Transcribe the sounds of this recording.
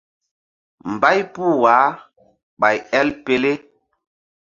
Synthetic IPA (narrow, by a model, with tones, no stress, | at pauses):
m˨ba˦jpu˦˨wa˨˦ | ɓa˨jɛ˦lpe˦le˦